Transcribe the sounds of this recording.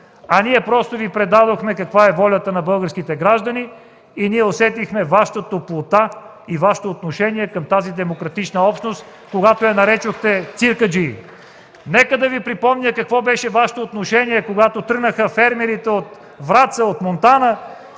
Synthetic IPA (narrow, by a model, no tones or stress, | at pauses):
ɐniɛpɾɔst̪ovipɾɛd̪ad̪oxmɛkɐkvaɛvɔlʲət̪ənɐbɤlˠɡəɾsk̟it̪ɛɡɾaʒd̪ɐniː | niɛosɛt̪ixmɛvaʃt̪ət̪oplˠot̪a | ivaʃə̥t̪oːt̪noʃɛniɛkəmt̪azid̪ɛmokɾɐt̪it͡ʃnəɔpʃnost̪ | koɡat̪oɛnɐɾɛt͡ʃoxt̪ɛt̪siɾkəd͡ʒi | nɛkəd̪ɐvipɾipɔmɲʲəkɐkvɔbɛʃɛvaʃɪ̥t̪oːt̪noʃɛniɛkoɡat̪ot̪ɤɡnəxəfɛɾmɛɾit̪ɛot̪ | vɾat̪səot̪mont̪anə